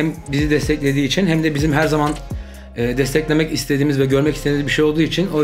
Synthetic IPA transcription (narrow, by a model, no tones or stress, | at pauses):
æmbizid̪ɛst̪ʰɛclʲe̞d̪iːt͡ʃʰinɦæmd̪ɛbizimɦæɾzaman | ɯːd̪ɛst̪ʰɛclʲe̞mɛcist̪ʰe̞d̪iːmizvɛɟø̞ɾmɛcist̪eiizbiʃejo̞lˠd̪uːit͡ʃʰino